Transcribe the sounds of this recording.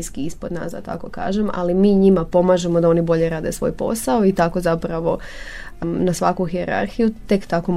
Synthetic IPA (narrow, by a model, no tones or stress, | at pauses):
iskiispo̞d̪na̰ːsd̪a̰t̪a̰ko̞ka̰ːʒe̞ma̰limiːɲimapo̞maːʒe̞mod̪ao̞nibo̞ʎe̞ɾaːd̪e̞sʋo̞̰jpo̞̰saoit̪ako̞zapɾaʋo̞ | nasʋakuxieɾa̰ɾxijut̪e̞kt̪ako̞